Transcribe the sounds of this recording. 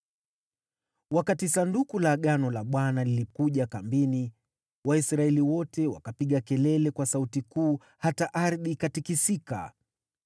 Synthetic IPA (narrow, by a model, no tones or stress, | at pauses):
wakatisandukulaɠanɔlaɓwanalilikuʄakambini | waisɾaɛliwɔtɛwa̰kapiɠakɛlɛlɛkwasautikuː | hataʔaɾðikatikisika̰